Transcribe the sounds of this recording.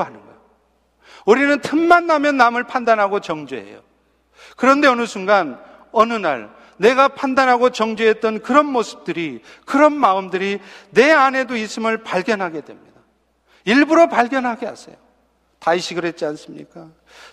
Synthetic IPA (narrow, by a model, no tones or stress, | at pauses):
ɦanɯnɡa | uɾinɯntʰɯnmanːamjʌnːamɯɭpʰandanɦaɡot͡ɕʌŋd͡ʑuɦḛjo | kɯɾʌnde̞ʌnɯsʰuŋɡan | ʌnɯna̰ɭ | ne̞ɡapʰandanɦaɡot͡ɕʌŋd͡ʑuɦe̞t̚t͈ʌnkɯɾʌnmosʰɯ̥p̚t͈ɯɾi | kɯɾʌnmaɯmdɯɾine̞ane̞dois͈ɯmɯɭpaɭɡjʌnɦaɡe̞dwe̞̰mɲid̥a | iɭbuɾopaɭɡjʌnɦaɡeɦa̰sʰḛjo | taiɕʰiɡɯɾɦe̞t̚t͡ɕ͈ians͈ɯmɲḭk͈a